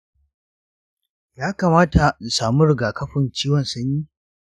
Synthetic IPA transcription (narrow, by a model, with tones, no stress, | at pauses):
jaː˦kaː˨maː˦ta˨saː˨mu˦ɾɪ˨ɡaː˨kɐ˦ɸɪ˨nt͡ʃiː˦wɔ˨nsɐ˦ɲjiː˦